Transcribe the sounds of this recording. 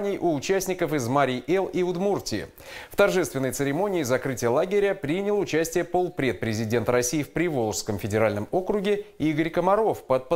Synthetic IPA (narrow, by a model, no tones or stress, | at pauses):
nʲɪjʔʊːt͡ɕæsʲnʲɪkəfɪzmaɾʲɪʔɛlˠiʊd̪murtʲɪ̰ɪ̰ | ft̪ɐrʐɛst̪vʲɪnːəjt̪sɨɾʲɪmo̞nʲɪːzɐkɾɨtʲɪjəlˠaɡʲɪɾʲəpɾʲinʲɪlˠʊt͡ɕæsʲtʲɪjəpolˠpɾʲet̪̚pɾʲɪzʲɪdʲe̞nt̪əɾɐsʲijːfpɾʲɪvolˠʂskəmfʲɪdʲɪɾalʲnəmo̞kɾʊɡʲɪiɡəɾʲkəmɐɾo̞fpət̪̚pə